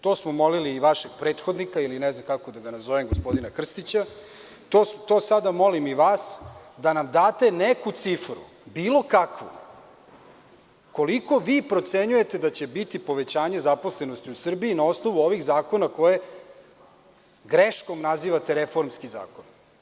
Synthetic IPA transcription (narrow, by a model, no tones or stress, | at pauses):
t̪o̞ːsmomo̞liliːʋaʃe̞ɡpɾe̞ːt̪xod̪nikailinɛznamkakod̪aɡanazo̞ʋemɡospo̞d̪inakr̩st̪it͡ɕa | t̪oːst̪oːsad̪amo̞limiʋaːsd̪anamd̪aːt̪e̞nekut̪sifɾṵ | biːlo̞kakʋṵ | ko̞liko̞ʋiːpɾo̞t̪se̞ɲuje̞t̪e̞d̪at͡ɕe̞bit̪ipo̞ʋe̞t͡ɕaːɲe̞zaposlenost̪iusr̩biːnao̞snoʋuo̞ʋiɣzaːko̞nako̞je̞ | ɡɾeʃko̞mnaziːʋat̪eɾefo̞ɾmskiza̰ːkon